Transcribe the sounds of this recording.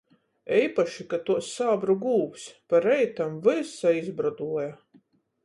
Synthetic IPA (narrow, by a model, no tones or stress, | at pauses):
ɛjpaʃikat̪uɔsaːbɾuɡuːwsʲpaɾɛjt̪amvɨsaizbɾad̪uɔja